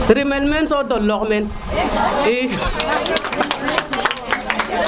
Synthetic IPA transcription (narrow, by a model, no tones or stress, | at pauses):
ɾimelmensɔdolːokmen | i